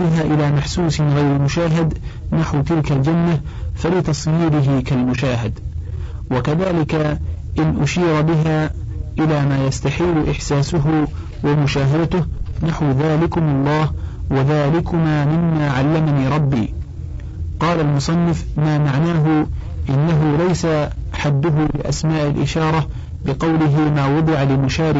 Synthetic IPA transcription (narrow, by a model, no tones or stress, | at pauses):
ɪɦaːʔɪlaːmaħsuːsɪnɣajɾɪmʊʃaːɦɪd̪naħwt̪ɪlkald͡ʒanːa | falɪt̪ɑsˤjiːɾɪɦɪkalmʊʃaːɦɪd̪ | wakaðaːlɪkaʔɪnʔʊʃiːɾbɪɦaː | ʔɪlaːmaːjast̪aħiːlʊʔɪħsaːsʊɦʊ | wamʊʃaːɦad̪at̪ʊhnaħwðaːlɪkʊmʊlˤːɑːhwaðaːlɪkʊmaːmɪmːaːʕalːamaniːɾˤɑbːḭː | qɑːlalmʊsˤɑnːɪf | maːmaʕnaːɦʊ | ʔɪnːaɦʊlajsa | ħad̪ːʊɦʊlɪʔa̰smaːʔɪlʔɪʃɑːɾˤɑ | bɪqɑwlɪɦɪmaːwɑd̪ˤɨʕalɪmʊʃaːɾɪ